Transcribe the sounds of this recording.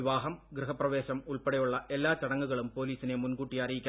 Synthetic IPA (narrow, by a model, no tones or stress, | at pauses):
ʋaːɦɐmɡrɨɦɐprɐʋeːɕɐmuɭpɐɽɐjuɭːɐʔe̞lːaːt͡ɕɐɽɐŋːuɣɐɭumpo̞ːliːsinemunkuːʈːijɐrijikʲː